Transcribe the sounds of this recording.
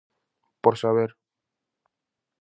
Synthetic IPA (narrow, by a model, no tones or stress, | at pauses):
poɾsaβeɾ